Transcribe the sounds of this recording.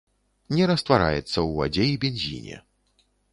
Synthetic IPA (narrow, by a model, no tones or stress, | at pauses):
nʲɛɾɐst̪vaɾa̰jɛt̪sːɐwa̰d͡zʲejibʲɛnʲzʲḭnʲɛ̰